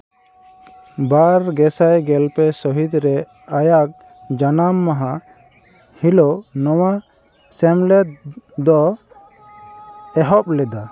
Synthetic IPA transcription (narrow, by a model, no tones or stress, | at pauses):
baɾɡɛsajɡɛlpɛsɔɦid̪ɾɛ | ajak̚ | d͡ʒanamːaɦa | hilonɔwa | sɛmlɛt̪̚d̪ɔ | ɛɦɔp̚lɛd̪a